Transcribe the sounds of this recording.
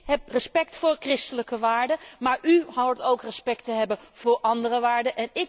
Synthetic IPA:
ɦɛprəspɛktfʊːɹkrɪstələkəʋaːɹdəmaːɹʔyɦawətowkrəspɛktəɦɛbənv̥ʊːɹʔɑndərəʋaːɹdəʔɛnɪ

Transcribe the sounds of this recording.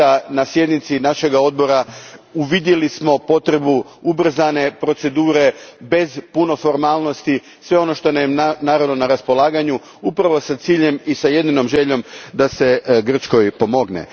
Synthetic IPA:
anasje̞d̪nit̪sinaʃe̞ɡao̞d̪̚bo̞ɾauʋid̪je̞lismo̞po̞t̪ɾe̞bu | ubr̩zane̞pɾo̞t̪se̞d̪uːɾe̞be̞zpuno̞fo̞ɾmaːlˠno̞st̪i | sʋe̞ono̞ʃt̪o̞namnaːɾaʋno̞naɾaspo̞lˠaːɡaɲu | upɾaʋo̞sat̪siːʎe̞misaje̞d̪ino̞mʒe̞ʎo̞md̪ase̞ɡr̩t͡ʃko̞jpo̞mo̞ɡnḛ

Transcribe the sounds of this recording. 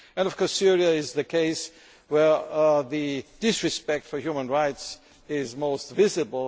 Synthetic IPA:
ɨ̃ndʌv̥kʰɔɹsɪɹiɨɪzðɨkʰeɪs | wə˞ðɨd̥ɪsɹɨspɛk̚tfə˞jumə̃nɹaɪts | ɪzmoʊstvɪzɨblˠ

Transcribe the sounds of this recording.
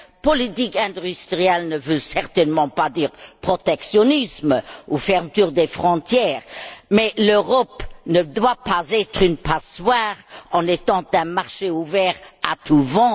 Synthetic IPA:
pɔlit̪ikɛ̃d̪yst̪ʁijɛlnəvøsɛʁt̪ɛnmɑ̃pad̪iːʁpχɔt̪ɛksjɔnismufɛʁmət̪yʁd̪efχɔ̃t̪jɛːʁmɛløʁɔpnəd̪wapazɛt̪χynpaswaːʁɑ̃net̪ɑ̃t̪ɛ̃maʁʃeuvɛʁat̪ʰuvɑ̃

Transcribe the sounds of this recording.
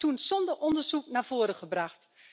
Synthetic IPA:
tunsɔndərʔɔndərzuk̚naːv̥oːɾəχəbraxt

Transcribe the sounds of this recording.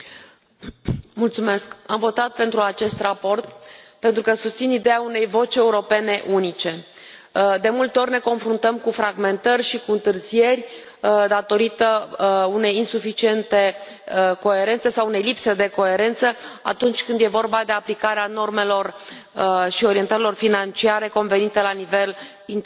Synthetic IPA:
mult̪sume̞skamvo̞t̪at̪̚pe̞nt̪ɾuat͡ʃe̞st̪rapo̞rt̪pe̞nt̪ɾukəsust̪sinid̪e̞aune̞jvo̞t͡ʃʲe̞uɾo̞pe̞ne̞ʔunit͡ʃe̞ | d̪e̞mult̪e̞o̞ɾʲne̞ko̞nfɾunt̪əmkufɾaɡme̞nt̪ərʲʃikuɨnt̪ɨrzije̞rʲ | d̪at̪o̞ɾit̪əune̞jinsufit͡ʃie̞nt̪e̞ | ko̞e̞ɾe̞nt̪se̞sawune̞jlipse̞d̪e̞ko̞e̞ɾe̞nt̪səa̰t̪unt͡ʃʲkɨnd̪je̞vo̞rbad̪e̞aplikaɾeano̞rme̞lo̞r | ʃio̞ɾient̪əɾilo̞rfinant͡ʃiaɾe̞ko̞nve̞nit̪e̞lanive̞l | in

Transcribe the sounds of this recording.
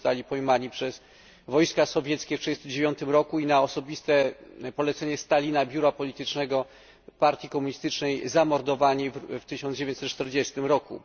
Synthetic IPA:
t̪alʲipɔjmaɲipʂɛz | vɔjskasɔvʲjɛt̪skʲɛftʂɛd͡ʑɛst̪md͡ʑevjɔnt̪ɘmɾɔkuinaɔsɔbʲist̪ɛpɔlɛt̪sɛɲɛst̪alʲinabʲjuɾapɔlʲit̪ɘt͡ʂnɛɡɔ | paɾt̪ʲjikɔmuɲist̪ɘt͡ʂnɛjzamɔɾd̪ɔvaɲift̪ɘɕɔ̃nd͡ʑevʲẽɲt͡ɕ̪sɛt̪̚t͡ʂt̪ɛɾd͡ʑɛst̪ɘmɾɔkṵ

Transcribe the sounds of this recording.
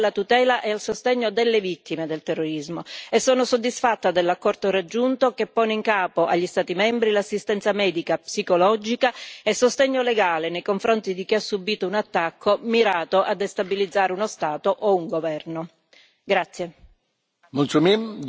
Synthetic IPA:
lat̪ut̪ɛːlaʔɛalsost̪eɲːod̪elːevit̪ːimed̪elt̪ɛrːoɾizmoesːoːnosod̪ːisfat̪ːad̪elːakːɔrt̪oɾad͡ʒːunt̪okepːɔːneiŋkaːpoʔa̰ʎːist̪aːt̪imɛmbɾilasːist̪ɛnt̪samɛːd̪ikapsikolɔd͡ʒikaesːost̪ɛɲːoleɡaːlenejkoɱfɾont̪id̪ik̟iasːubːiːt̪ounat̪ːakʰːomiɾaːt̪oʔad̪est̪abilid̪zːaːɾeunost̪aːt̪oʔouŋɡovɛrno | ɡɾat̪sːje | munt͡ʃumim

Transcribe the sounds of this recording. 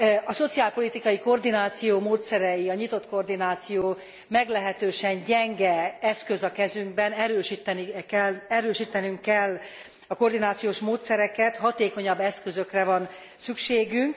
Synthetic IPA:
ɒso̞t̪siaːlpo̞lit̪ikɒjiko̞rd̪inaːt̪sijoːmoːt̪sɛɾɛjiɒɲit̪o̞t̪ko̞rd̪inaːt̪sijoː | mɛɡlɛɦɛt̪øːʃɛɲɟɛŋɡɛɛskø̞zɒkɛzyŋɡ̚bɛnɛɾøːʃit̪nɛlɛɾøːʃiːt̪ɛnyŋkːɛlː | ɒko̞rd̪inaːt̪sijoːʃmoːt̪sɛɾɛkɛt̪hɒt̪eːko̞ɲɒbːɛskøzø̞krɛvɒn | sykʃeːɡyŋk

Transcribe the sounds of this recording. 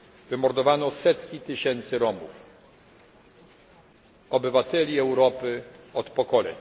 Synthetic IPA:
vɘmɔɾd̪ɔvanɔsɛt̪kʲit̪ɘɕɛnt̪sɘɾɔmṵf | ɔbɘvat̪ɛlʲiɛwɾɔpɘɔt̪pɔkɔlɛ̰ɲ

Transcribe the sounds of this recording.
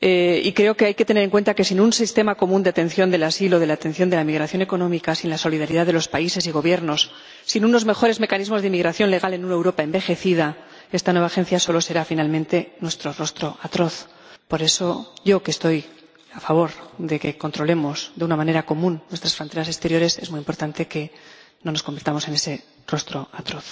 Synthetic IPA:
eḭkɾe̞o̞keajket̪eneɾe̞ŋkwe̞nt̪ake̞sinunsist̪e̞mako̞mũnd̪eat̪e̞nθjo̞nd̪e̞lasilo̞ðe̞lat̪e̞nθjo̞nd̪elamiɣɾaθjo̞ne̞ko̞nõ̞mikasinlaso̞liðaɾiðaðe̞lo̞spaise̞siɣ̞o̞βje̞ɾno̞sː | inuno̞zme̞xo̞ɾe̞zme̞kanizmo̞zðeimiɣɾaθjo̞nle̞ɣ̞ale̞nunae̞wɾo̞paembe̞xe̞θiða | e̞st̪anwe̞βaxe̞n̟θjaso̞lo̞se̞ɾafinalmẽ̞nt̪e̞nwe̞st̪ɾo̞ro̞st̪ɾo̞ʔat̪ɾo̞θ | poɾe̞so̞ʝo̞kest̪o̞j | afaβ̞o̞ɾðe̞ke̞kont̪ɾo̞le̞mo̞zðeunamãne̞ɾako̞mũnːwest̪ɾasfɾo̞nt̪e̞ɾase̞st̪e̞ɾjo̞ɾe̞se̞zmujimpo̞ɾt̪ant̪e̞ke̞ | no̞noskombeɾt̪amose̞ne̞se̞ | ro̞st̪ɾo̞at̪ɾo̞θ

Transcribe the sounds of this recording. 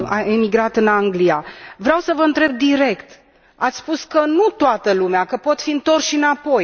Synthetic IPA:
aemiɡɾat̪ɨnaŋɡlijavɾeawsəvəɨnt̪ɾe̞b̚d̪iɾe̞kt̪ | at̪sʲspuskənut̪oat̪əlumeakəpo̞t̪fiɨnt̪o̞rsʃinapo̞j

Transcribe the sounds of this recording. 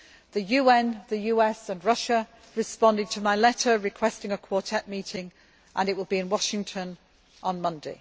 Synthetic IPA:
ðəjʉːɛ̃nðəjʉːɛsə̃nɹʌʃə | ɹɪspɒ̃ndɪd̚tʰəmaɪlɛtəɹɪkʰw̥ɛstɪ̃ŋəkʰw̥ɔˑtʰɛʔmiˑtɪ̃ŋ | ʔə̃nɪʔwɪlˠbiɪ̃nwɒʃɪ̃ŋtʰə̃n | ʔə̃nmʌ̃ndḛɪ

